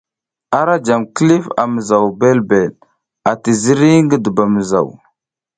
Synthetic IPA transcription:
a˦ɾa˦d͡ʒa˨mki˦li˦fa̰˨mə˨za˨wbe˦lbe˨l | a˨ti˨zi˦ɾi˦ŋɡə˦də˨ba˨mə˨za̰˨w

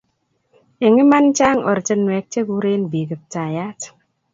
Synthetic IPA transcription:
e˨ŋi˦ma˦nt͡ʃa˦ŋɔ̰˨ɾt͡ʃə˦nwɛ˨k̚t͡ʃe˦ɡu˦ɾe˦nbi˨ɡə˨p̚ta˨ja˦t

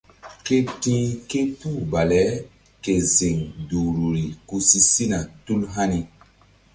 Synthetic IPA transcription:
ke˦tĩ˦ke˦tu˦ba˨lɛ˨˦ | ke˨zi˨ŋdu˨ɾu˨ɾi˨ku˨si˦si˦na˨tu˦lɦa˦ni˨

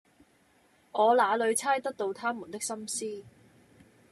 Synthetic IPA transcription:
ŋɔː˨˧laː˨˧lɵ˨˧ɥt͡sʰaː˥jt̪ɐ˥k̚t̪o˧wt̪ʰaː˥mu˨˩nt̪ɪ˥k̚sɐ˥msiː˥

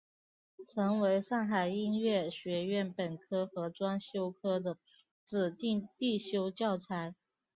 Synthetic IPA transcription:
ʈ͡ʂʰɤ˧˥ŋwe˧˥ɪʂɑ˥˩ŋxa˨˩ɪi˥nɥɛ˥˩ɕɥɛ˧˥ɥɛ˥˩npə˨˩nkʰɤ˥xɤ˧˥ʈ͡ʂwa˥nɕjo˥ʊkʰɤ˥d̪ə˨ | t͡sɹ̩˨˩t̪i˥˧ŋt̪i˥˩ɕjo˥ʊt͡ɕjɑ˥˩ʊʈ͡ʂʰa˧˥ɪ

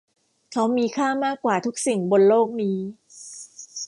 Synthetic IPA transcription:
kʰa˦˥wmiː˧kʰaː˥˩maː˥˩kːwaː˨˩t̪ʰu˦˥k̚si˨˩ŋbo˧nloː˥˩k̚niː˦˥

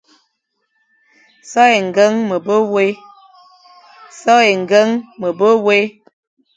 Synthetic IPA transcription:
sɔ˦e˨ŋ̩˨ɡə˦ŋmə˨bə˦we˦ | sɔ˦e˨ŋ̩˨ɡə˦ŋmə˨bə˦we˦

